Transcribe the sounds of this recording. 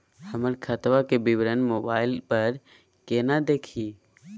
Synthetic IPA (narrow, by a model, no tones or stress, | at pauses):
həməɾkʰət̪ʋakebibɾənmoːbaːɪlpəɾ | keːnad̪eːkʰiː